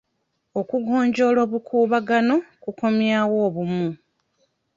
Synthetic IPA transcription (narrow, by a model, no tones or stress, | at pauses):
o̞kuɡo̞ːɲɟo̞ːlo̞ːβukʰuːβaɡano̞kuko̞mjaːwo̞ːβumu